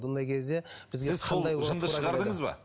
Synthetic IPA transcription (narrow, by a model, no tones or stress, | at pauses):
nd̪ɑjkʲʰe̞zd̪e̞b̥ɪzɡʲeɪzqʰɑlˠd̪ɑjwoʒəənd̪əʃɾəʁɑɾd̪əŋəzbɑ̰